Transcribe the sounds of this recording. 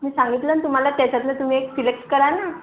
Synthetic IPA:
miːsãŋɡit̪ləːnt̪um̤alat̪jat͡ɕat̪lət̪um̤iːekfilekskəɾana

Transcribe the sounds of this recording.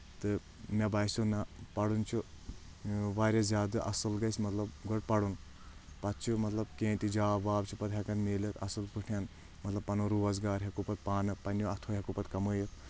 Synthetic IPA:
t̪ɨ | mɐbaːjsunɐpɐɽunt͡ʃʰu | ʋaːɾʲɐzʲjaːd̪ɨʔɐsɨlɡɐsʲmɐt̪lɐbɡɔʈ̚pɐɽun | pɐt̪t͡ʃʰumɐt̪lɐbkẽːnt̪id͡ʒaːʋaːbt͡ʃʰupɐt̪ɦʲɐkɐnmeːlɐt̪ɐ̰sɨlpuʈʰʲan | mɐt̪lɐbpɐnuɾuːʋɐz̬ɡaːɾɦʲɐkupɐt̪̚paːnɨpɐnjuɐt̪ʰoːɦʲɐkupɐt̪kɐməːjɐt̪̚

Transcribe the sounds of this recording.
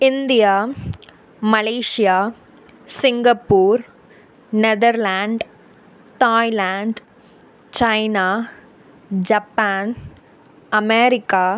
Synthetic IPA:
ɪnd̪ɪjaː | mɐleːʂɪjaː | sɪŋɡɐpːuːɾ | nɛðɐɾlaːɳɖ | t̪aːɪlaːɳɖ | t͡ʃɐɪnaː | d͡ʒɐpːaːn | ɐmeːɾɪkːaː

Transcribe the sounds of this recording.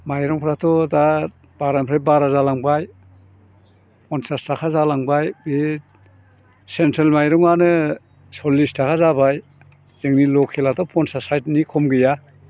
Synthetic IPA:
majɾɔŋpʰɾatʰɔdaɾ | b̥aɾampʰɾebaɾazalaŋbaj | pʰɔnsastʰakʰazalaŋbajbe | sentʰɾelmajɾɔŋanɯ | sɔlistʰakʰazabaj | z̥eŋnilɔkʰelatɔpʰɔnsasajtnikʰɔmɡɯja

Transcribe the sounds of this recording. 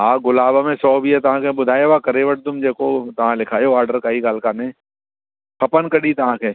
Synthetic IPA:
ɦãːɡʊlaːbamẽsɔːbʱiɛt̪ɐɦãkẽbʊd̪ʱaːjeʋakɐɾeːʋəʈ̚d̪ʊmd͡ʒɛːkot̪ɐɦãlɪkʰaːjoaːɾɖəɾkaːɦikaːlkanẽ | kʰɐpənkɐɽit̪ɐɦãke

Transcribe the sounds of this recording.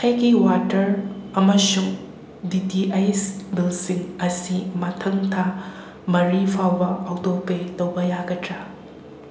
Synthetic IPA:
kʰajɡiwatɐɾɐmɐsuŋ | ditiʔajsbilsiŋɐsimɐtʰɐŋtʰa | mɐɾipʰawbɐːwtopetɐwbɐjaɡɐtɾɐ

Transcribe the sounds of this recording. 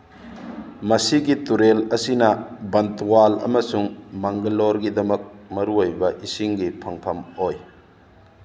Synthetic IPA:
mɐsiɡituɾelɐsinɐbɐntwalɐ̰mɐsuŋmɐŋɡɐloɾɡid̪ɐmɐk̚mɐɾuojbɐʔisiŋɡipʰɐŋpʰɐmoj

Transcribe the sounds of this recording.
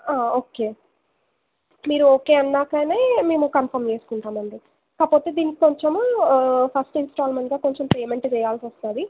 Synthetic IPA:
aːoːke̞ː | miːɾuoːke̞ːɐnːaːkaːneːme̞ːmukɐnpʰɐɾmt͡ʃe̞ːsu̥kuɳʈ̪aːmɐɳɖi | kaːpo̞ːt̪eːd̪iːnikikoɲt͡ʃom | pʰɐsʈinsʈaːlmeɳʈɡaːko̞ɲt͡ʃempeːme̞ɳʈt͡ʃɛjaːlsɐst̪aːd̪i

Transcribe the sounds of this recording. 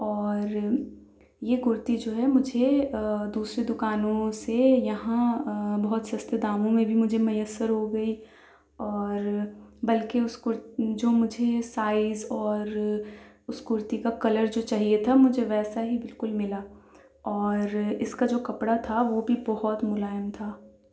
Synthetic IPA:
ɔːɾ | jeɡʊɾt̪id͡ʒoːɦɛmʊd͡ʒʱed̪uːsɾed̪ʊkaːnõsejɐɦãbɐɦʊt̪sɐst̪ed̪aːmõmẽbʱimʊd͡ʒʱemɐjəsːəɾɦoɡɐi | ɔːɾbɐlkeʊskʊɾd͡ʒoːmʊd͡ʒʱesaːɪzɔːɾ | ʊsɡʊɾt̪ikakɐləɾd͡ʒoːt͡ʃaːɦiet̪ʰamʊd͡ʒʱeʋɛːsaɦibɪlkʊlmɪlaː | ɔːɾɪskad͡ʒoːkɐpɽat̪ʰaʋobʱibɐɦɔt̪mʊlaːjəmt̪ʰaː

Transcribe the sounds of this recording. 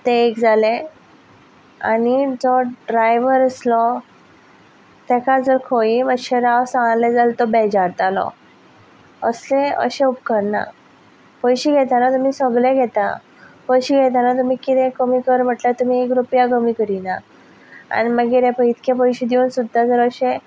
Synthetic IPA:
t̪eːkd͡zalẽ | a̰nid͡zɔɖɖɾajʋəɾəslɔ | t̪ɛkad͡zəɾkʰojiməɕeɾawsãŋlɛd͡zalt̪ɔbɛd͡ʑaɾt̪alɔ̰ | əslẽə̰ɕẽupkəɾna̰ | pəjɕiːɡʱɛt̪anat̪um̤isəɡleɡʱɛt̪a̰ | pəjɕiːɡʱɛt̪̬anat̪̬um̤ikit̪ɛ̃kəmikəɾm̤əʈlat̪um̤iekɾupjakəmikəɾina̰ | a̰niməɡiɾɛ̃pəit̪kẽpəjɕid̪iunsud̪ʱːad͡zəɾəɕẽ

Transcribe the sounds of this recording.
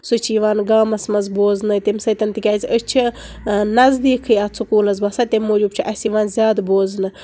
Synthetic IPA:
sut͡ʃʰiːʋaːnɡaːmɐsmɐzboːznɨt̪imsɐt̪ɐnt̪ikʲaːzʲiət͡ʃʰɨ | nɐzd̪iːkʰɨjɐt͡sʰukuːlɐzbɐsat̪imːoːd͡ʒubt͡ʃʰiʔɐsiːʋaːnzʲjaːd̪boːznɨ

